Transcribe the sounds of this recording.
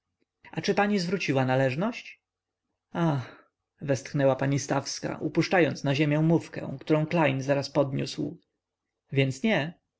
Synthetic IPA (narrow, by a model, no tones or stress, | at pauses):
at͡ʂɘpaɲizvɾut͡ɕiwanalɛʐnɔɕt͡ɕ | ax | vɛst̪xnɛwapaɲist̪afska̰ʔupuʂt͡ʂajɔnt̪snaʑemʲjɛ̃mufkɛ̰̃kt̪uɾɔ̃w̃klajnzaɾaspɔd̪ɲṵsw | vʲjɛnt̪sɲɛ